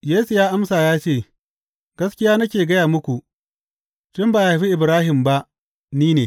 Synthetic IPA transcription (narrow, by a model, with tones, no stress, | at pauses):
jeː˦su˨jaː˦ʔa˦msaː˨jaː˦t͡ʃeː˦˨ | ɡ̥ɐ˦skʲɪ˦jaː˦nɐ˦kʲeː˨ɡɐ˦jaː˨mʊ˦kʷu˨ʔ | t͡ʃɪ˦mbaː˨ja˨ɸi˦ʔɪ˨bɾaː˦ɦɪ˨mba˦ʔ | niː˦neː˨